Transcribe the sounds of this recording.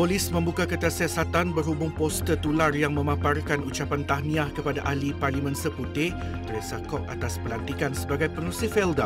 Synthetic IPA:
polɪsmə̃mbukakət̪asiasat̪anbərɦubʊŋpɔst̪ət̪ularjaŋmə̃mãparkanut͡ʃapant̪ahnĩahkəpadaʔaliparlimɛ̃nsəput̪ɪ | t̪əɾesakɔʔ̚a̰t̪aspəlant̪ikansəbaɡajpənusifɛlda

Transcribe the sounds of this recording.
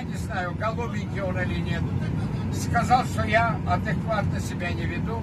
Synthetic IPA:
nʲɪznajʊɡɐlˠobʲɪnʲkʲɪoɾɐlʲinʲet̪ | skɐzalˠʂt̪ojaɐd̪ɨkvat̪nəsʲɪbʲanʲɪvʲɪd̪u

